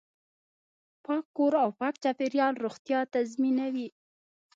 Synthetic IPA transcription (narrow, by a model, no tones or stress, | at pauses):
pɑkːoɾawpɑk̚t͡ʃapeɾjɑlɾoxt̪jɑt̪azminawi